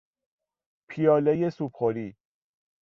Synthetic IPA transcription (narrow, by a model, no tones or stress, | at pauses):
pʰijɒːlejesupχoɾiː